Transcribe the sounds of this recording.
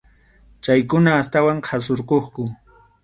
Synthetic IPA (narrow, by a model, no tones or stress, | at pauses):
t͡ʃajkʊnaːst̪awaŋqʰasoɾqoχkʊ